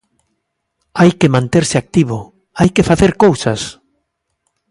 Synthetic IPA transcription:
ajkemãnt̪eɾsɪak̚t̪iβ̞o | ajkefaθeɾkowsas

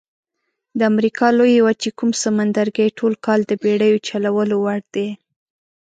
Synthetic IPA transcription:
d̪əamɾikɑlojwat͡ʃekumsəmand̪aɾɡəjʈʰolkɑld̪əbeɽəjot͡ʃalawəlowaɽd̪e

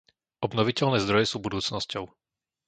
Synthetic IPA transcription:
ʔɔbnɔʋicɛlnɛːzd̪ɾɔjɛsuːbud̪uːt͡snɔscɔʊ

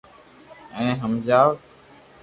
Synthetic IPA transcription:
ɛ̃ːɦəmd͡ʒaːʋ

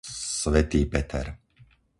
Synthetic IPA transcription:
sʋɛt̪iːpɛt̪ʰɛ̰ɾ

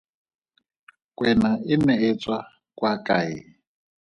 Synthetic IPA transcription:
kʼwɛnaɪmɛet͡sʼwa | kʼwakʼaḭ

